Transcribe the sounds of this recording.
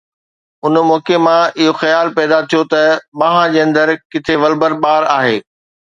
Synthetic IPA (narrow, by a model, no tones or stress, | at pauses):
ʊnmɔːkemãɪɦoxɐjaːlpɛːd̪at̪ʰijot̪ɐɓaːɦãd͡ʑeːɐ̃nd̪əɾkɪt̪ʰeʋɐlbəɾɓaːɾaːɦeː